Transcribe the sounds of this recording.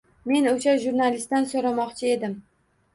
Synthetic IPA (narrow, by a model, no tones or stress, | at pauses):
me̞noʃaʒuɾnalɪst̪ansoɾamɒqt͡ʃʰɪe̞d̪ɪm